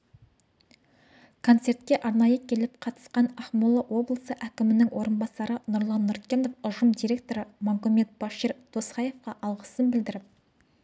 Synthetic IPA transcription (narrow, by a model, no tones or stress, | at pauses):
kʰo̞nt̪se̞rt̪kʲe̞ʔɑɾnɑjəkʲʰe̞lɪp̚qʰɑt̪ə̥sqɑnɑχmolˠːɑwo̞blˠəsəʔækʲɪmɪnɪŋwo̞ɾənbɑsɑɾənʊɾlˠɑnːʊɾkʲenofʊʒəmd̪ijɾʲe̞k̚t̪o̞ɾəmɑmkume̞t̪̚b̥ɑʃiɾt̪ʰosqɑje̞fqɑʔɑlˠʁəsənbɪld̪ɪɾɪp̚